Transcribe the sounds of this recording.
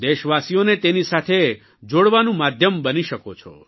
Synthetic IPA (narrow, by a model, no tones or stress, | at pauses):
d̪eʃʋasijonet̪enisat̪ʰe | d͡ʒoɽʋanũmad̪ʱjəmbəniʃəkot͡ʃʰɔ̰